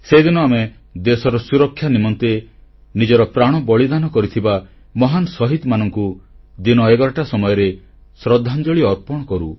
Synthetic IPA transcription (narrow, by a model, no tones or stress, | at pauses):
sed̪inɔame | d̪esɔɾɔsuɾɔkʰːjanimɔnt̪e | nid͡ʒɔɾɔpɾaɽ̃ɔbɔɭid̪anɔkɔɾit̪ʰiba | mɔɦanɔsɔɦit̪manɔŋkud̪inɔeɡɔɾaʈasɔmɔjɔɾe | sɾɔd̪ʱːand͡ʒɔɭiɔɾpɔɽ̃ɔkɔɾu